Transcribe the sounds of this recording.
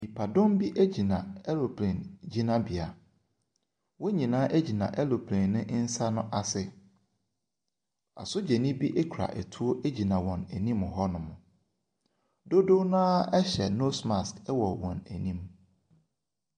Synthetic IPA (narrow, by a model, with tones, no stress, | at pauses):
mi˨pʰa˨dʊ̃˦mbi˦ʔæ˦d͡ʑi˨nã̰˨ɛ˦lo˨pʰlẽ˨nd͡ʑi˦nã˦bi˨a˨ | wɔ˦ɲĩ˨nãː˦ʔe˦d͡ʑi˨nã̰˨ʔɛ˦lo˨pʰlẽ˨nːɪ̃˦ʔn̩˦sa˦nʊ̃˦ʔa˨sɪ˦ | a̰˨sʊ˦d͡ʑɛ˨nĩ˦bi˦ʔe˦kʰɾa̰˨ʔɛ˨tʰu˦o˦ʔe˦d͡ʑi˨nã˨wɔ̃˨næ˨nĩ˦mʊ˨ɦɔ˦nʊ̃˨mʊ̃˨ | do˦do˦nãː˦ɛ˦ɕɛ˨no˦sma˨skɛ˦wɔ˨wɔ̰̃˨næ˨nĩ˦m